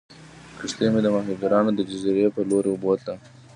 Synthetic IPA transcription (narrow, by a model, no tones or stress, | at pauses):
kɪʂt̪emed̪əmaɦuɡaɾɑnod̪əd͡ʒaziɾepəloɾebot̪la